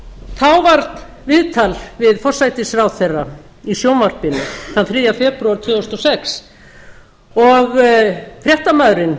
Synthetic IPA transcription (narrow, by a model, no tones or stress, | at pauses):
θawvaɾt̪ | vɪðt̪ʰalvɪðfɔr̥sajt̪ɪsɾawθɛrːa | isjownvaɾpɪnʏ̰θanθɾiːjafɛpɾuaɾ̥t̪ʰvʏːost̪ɔsɛks | ɔɣfɾjɛht̪amaðɾɪn